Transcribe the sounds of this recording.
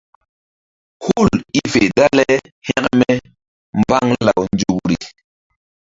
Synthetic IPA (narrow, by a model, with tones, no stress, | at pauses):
hu˦˨li˦fe˨da˦lɛ˦ | hɛ˦kmɛ˦ | mba˦ŋla˨wnd͡ʒu˨kɾḭ˨